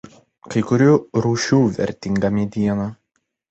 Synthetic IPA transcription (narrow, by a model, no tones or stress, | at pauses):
kɐɪkʊɾʲuːɾuːʃʲuːʋʲɛ̰ɾʲt̪ʲɪŋɡɐmʲɛd̪ʲiɛnɐ